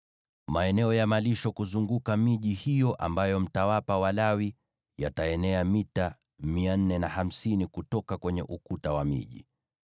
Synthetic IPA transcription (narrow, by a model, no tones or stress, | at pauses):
maɛnɛɔjamaliʃɔkuzuŋɡukamiʄihijɔʔa̰mbajɔm̩tawapawalawi | jataɛnɛamita | mian̩ːɛnaham̩sinikutɔkakwɛɲɛʔukutawamḭʄḭ